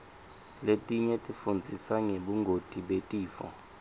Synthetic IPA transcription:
letʼiɲɛtʼifund͡zʱisaŋeɓuŋɡʱod̥ʼʱiɓetʼiːfɔ̰

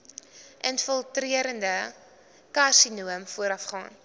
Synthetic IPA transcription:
ʔənfəlˠtriəɾəndə | kɐrsinuəmfuəɾɐfχɑ̰ːn

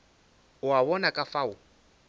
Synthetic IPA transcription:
ʊaβɔnakʼafaʊ

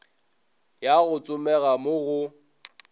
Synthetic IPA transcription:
jaɣʊt͡sʼʊmɛɣamʊɣʊ

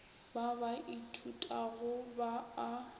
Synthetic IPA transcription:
babaʔitʰutʼaɣʊbaː

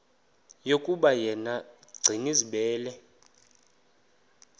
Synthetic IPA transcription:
jokʼuɓajɛnaɡ͡ǀʱiŋiziɓɛːlɛ

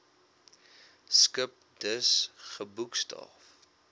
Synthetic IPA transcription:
skəp̚d̥əsχəbukstʰɑ̰ːf

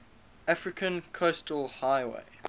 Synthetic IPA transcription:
afɹɪkʰə̃nkʰostəlˠhaɪwḛɪ

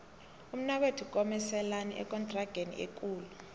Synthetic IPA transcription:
um̩naɓetʰuk̬ʼɔmɛsɛlaniʔɛ̰k̬ʼɔntʼraɡ̥ʱenḭʔḛk̬ʼuːlu

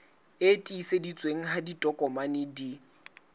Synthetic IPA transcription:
etʼiːsedit͡sʼweŋ̩ɦaditʼɔkʼɔmanɪdi

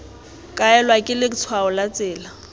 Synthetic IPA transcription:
kʼaɛlwakʼɪlɪt͡sʰwaʊlat͡sʼɪːla

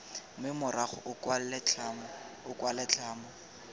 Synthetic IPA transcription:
mɪmʊɾaχʊ̰ʔʊkwallɛt͡ɬʰam | ʊkwalɛt͡ɬʰaːmɔ

